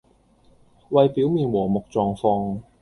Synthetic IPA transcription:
wɐ˨˧jpiː˨˥wmiː˨˧nwɔː˨˩mʊ˨k̚t͡sɔː˨ŋfɔː˧ŋ

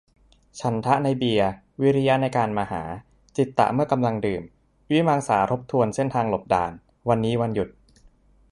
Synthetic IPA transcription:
t͡ɕʰa˩˦˥nt̪ʰa˦˥ʔna˧jbi˧ɐ | wi˦˥ɾi˦˥ja˦˥na˧jkaː˧nmaː˧ha̰ː˩˦ | t͡ɕi˨˩t̪ːa̰˨˩ʔmɯ˥˩ɐka˧mla˧ŋdɯː˨˩m | wi˦˥maː˧ŋsa̰ː˩˦t̪ʰo˦˥p̚t̪ʰu˧ənse˥˩nt̪ʰaː˧ŋlo˨˩p̚da̰ː˨˩n | wa˧nːiː˦˥wa˧nju˨˩t̪̚

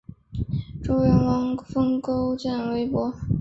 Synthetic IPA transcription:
ʈ͡ʂo˥ʊɥɛ˧˥nwɑ˧˥ŋfɤ˥ŋko˥ʊt͡ɕjɛ˥˩nwe˧˥ɪpwɔ˧˥

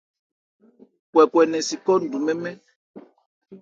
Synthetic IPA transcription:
kwɛ˨kwɛ˨nɛ̃˨si˨kɔ˦n̩˨du˨mɛ˦mɛ̃˦

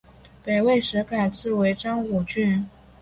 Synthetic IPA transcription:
pe˨˩ɪwe˥˩ɪʂɻ̩˧˥ka˨˩ɪt͡sʰɹ̩˥˩we˧˥ɪʈ͡ʂɑ˥ŋu˨˩t͡ɕy˥˩n

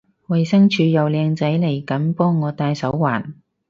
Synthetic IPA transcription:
wɐ˨jsɐ˥ŋt͡ʃʰyː˨˧jɐ˨wlɛː˨˧ŋt͡sɐ˨˥jle˨˩jkɐ˨˥npɔː˥ŋːɔː˨˧t̪aː˧jsɐ˨˥wːaː˨˩n

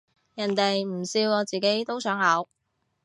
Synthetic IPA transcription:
jɐ˨˩nt̪e˨jm̩˨˩siː˧wɔː˨˧t͡siː˨ke˨˥jt̪o˥wsœː˨˥ŋhɐ˨˥w

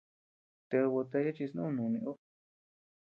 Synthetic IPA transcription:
t̪e˧βo˧t̪e˧˦ja˦t͡ʃi˧s̬nṵ̃˦˧nũ˨˧nĩ˧ʔu˦

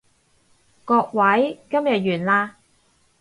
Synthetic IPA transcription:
kɔː˧k̚wɐ˨˥jkɐ˥mjɐ˨t̚jyː˨˩nlaː˧

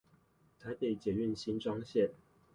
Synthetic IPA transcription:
t̪ʰa˧˥ɪpe˥˩ɪt͡ɕjɛ˨˩y˥˨nɕi˥nʈ͡ʂwɑ˥ŋɕjɛ˥˨n

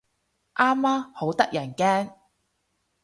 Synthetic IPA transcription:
ʔaː˥mːaː˥mho˨˥wt̪ɐ˥k̚jɐ˨˩nkɛː˥ŋ

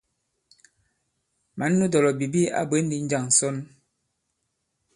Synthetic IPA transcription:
ma˨˦nː˦u˦dɔ˨lɔ˨bi˨bi˦a̰˦be˨˦n̩˦di˨˦n̩˦d͡ʒa˦˨ŋn̩˨sɔ˦n

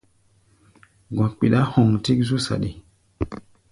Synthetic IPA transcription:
ɡwã˨k͡pi˨ɗa˦hɔ˨ŋti˦kzu˦sa̰˨ɗḭ˨

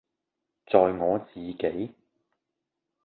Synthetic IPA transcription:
t͡sɔː˨jŋɔː˨˧t͡siː˨ke˨˥j

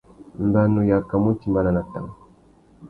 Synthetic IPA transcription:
m˦ba˦nu˨ja˨ka˨mu˦t͡ʃi˨mba˦la˨na˨ta˨ŋ˨

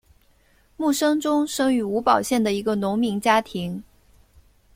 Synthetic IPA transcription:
mu˥˩ʂɤ˥ŋʈ͡ʂʊ˥ŋʂɤ˥ŋy˧˥u˧˥pɑ˨˩ʊɕjɛ˥˩nd̪ə˩i˧˥ɡə˧nʊ˧˥ŋmi˧˥ŋt͡ɕja˥t̪ʰi˧˥ŋ

